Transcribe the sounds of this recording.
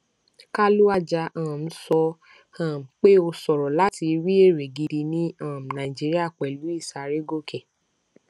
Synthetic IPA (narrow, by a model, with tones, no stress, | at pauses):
ka˦lu˦a˦d͡ʒa˧ʔãː˨m̩˦sɔ˧ | ã˦˨m̩˨k͡pe˦o˧sɔ˨ɾɔ˨la˦ti˧ɾi˦e˦˨ɾe˨ɡi˧di˧nĩ˦ã˦˨m̩˨nã˨i˨d͡ʒi˦ɾi˦a˦˨k͡pɛ˨lu˨˦i˦˨sa˨ɾe˦ɡo˦˨kɛ˨